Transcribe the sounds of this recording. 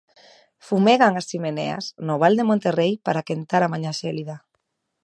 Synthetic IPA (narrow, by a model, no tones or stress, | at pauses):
fumeɣaŋast͡ʃimenḛa̰snoβ̞ald̪emõnt̪erejpaɾakent̪aɾamaɲaʃeliða